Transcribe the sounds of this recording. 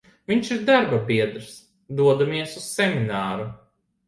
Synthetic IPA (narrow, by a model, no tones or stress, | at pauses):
vʲiɲt͡ʃiɾd̪aɾbapiɛd̪ɾs | d̪uɔd̪amiɛsussɛmʲinaːɾu